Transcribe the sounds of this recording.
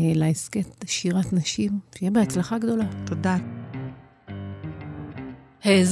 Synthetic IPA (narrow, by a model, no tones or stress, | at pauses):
laesketʃiʁatnaʃimʃejibeat͡slaχaɡd̪o̞latoda | heez